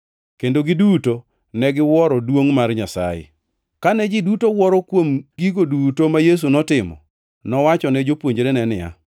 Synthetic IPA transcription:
kendoɡɪduto | nɛɡɪwɔɾɔdwoŋmarɲasa̰jḛ | kanɛd͡ʒɪdutowɔɾɔkwomɡiɡodutomajes̬unɔtɪmɔ̰ | nɔwat͡ʃɔnɛd͡ʒopwoɲd͡ʒɾenɛnɪa̰

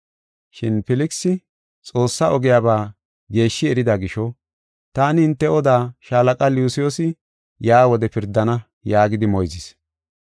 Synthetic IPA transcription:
ʃɪnfɪlɪksɪ | t͡sʼo̞ːsːɐʔɔɡɪjaːbaː | ɡe̞ːʃːɪɛɾɪd̪aɡɪʃɔ | t̪aːnɪhɪnt̪ːɛɔd̪aːʃaːlɐkʼɐljʊːsɪjosɪ | jaːwɔd̪ɛpɪɾd̪ːɐnɐ | jaːɡɪd̪ɪmɔjzɪs

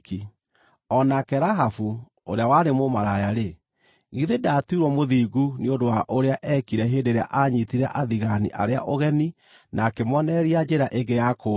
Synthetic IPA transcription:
ki | ɔnakɛɾaɦafu | o̰ɾeawaɾemomaɾajaɾe | ɣiðedatuiɾwɔmoðiːɣuniondowaʔoɾeaʔɛkiɾɛɦeːdeɾea̰ʔaɲitiɾɛʔaðiɣanḭʔaɾeaʔoɣɛni | nʔakemwɔnɛɾiad͡ʒɛɾaʔeɡejako

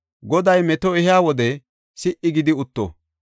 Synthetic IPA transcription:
ɡɔd̪ɐjmɛt̪ɔɛhɪaːwɔd̪ɛ | sɪʔɪɡɪd̪ɪʊt̪ːɔ̰

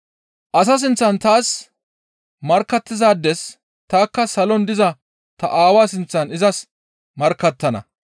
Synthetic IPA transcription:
ʔɐs̬ɐs̬ɪnt͡sːɐnt̪aːs | mɐɾkːɐt̪ːɪzaːd̪ːɛs | t̪aːkːɐsɐlɔnd̪ɪzɐ | t̪ɐ̰ʔaːwaːsɪnt͡sːɐnɪzɐs | mɐɾkːɐt̪ːɐnɐ̰

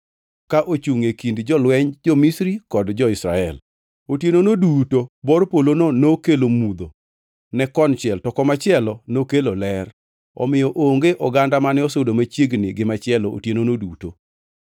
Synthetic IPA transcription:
kaʔot͡ʃuŋekindd͡ʒɔlwɛɲd͡ʒɔmisɾikɔdd͡ʒɔɪsɾa̰ɛl | otjenonodutobɔrpolononokelomud̪o | nɛkɔnt͡ʃɪɛltɔkɔmat͡ʃɪɛlɔnokelolɛr | ɔ̰mɪjɔʔoŋɡeʔɔɡandamanɛosodomat͡ʃjeɡnɪɡɪmat͡ʃɪɛloo̰tjenonoduto

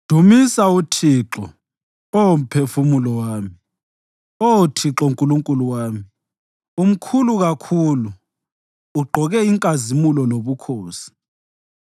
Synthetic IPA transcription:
d̥ʱumisautʰiǁɔ | ɔom̩pʰefumulɔwaːmi | otʰiǁɔuŋkʼuluŋkʼuluwaːmi | um̩kʰuluɣakʰuluː | ɡ͡ǃʱɔɣɛiŋkʼazimulɔloβukʰoːsi̥

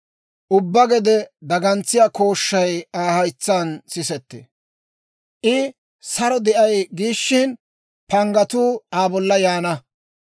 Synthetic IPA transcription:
ʔʊbːɐɡɛd̪ɛd̪ɐɡɐnt͡sːɪjako̞ːʃːɐjaːhɐjt͡sːɐnsɪsɛt̪ːɛ̰ | ʔɪ | sɐɾɔd̪ɛʔɐjɡiːʃːɪn | pɐŋɡɐt̪uːaːbɔlːɐjaːnɐ

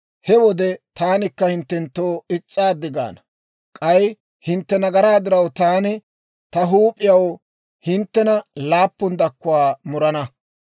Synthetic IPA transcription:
hɛwɔd̪ɛt̪aːnɪkːɐhɪnt̪ːɛnt̪ːoːɪt͡sʼːaːd̪ɪɡa̰ːnɐ | kʼɐj | hɪnt̪ːɛnɐɡɐɾaːd̪ɪɾɐwt̪aːnɪ | t̪ɐɦuːpʼːɪjɐw | hɪnt̪ːɛnɐlaːpːʊnd̪ɐkːʊwaːmʊɾɐnɐ

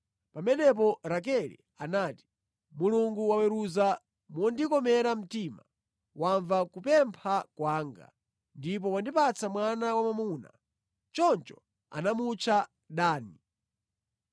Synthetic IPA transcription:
pamɛnɛp̬ɔɾak̬ɛlḭ | anaːti̥ | muluŋɡuwawɛɾuza | mɔndikɔmɛɾam̩tima̰ | waɱvakupɛmpʰakwaːŋɡa̰ | ndip̬ɔwandipat͡samwanawamamuna̰ | t͡ʃɔnt͡ʃɔ̥ | a̰namut͡ʃʰa | ɗaːni

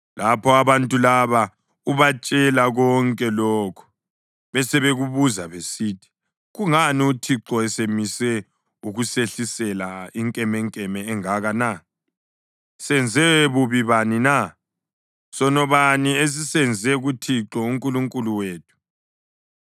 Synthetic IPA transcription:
lapʰɔaβantʼulaβa | uβat͡ʃʼɛlaɣɔŋkʼɛlɔːkʰu̥ | βɛsɛβeɣuβuzaβesiːtʰi̥ | ɣuŋaniutʰiǁɔɛsemisɛ | uɣuseɬisɛlaiŋkʼɛmɛŋkʼɛmɛːŋaɣana | sɛnd͡zʱɛβuβiβanina | sɔnɔβaniesisɛnd͡zʱɛɣutʰiǁɔuŋkʼuluŋkʼuluweːtʰu̥

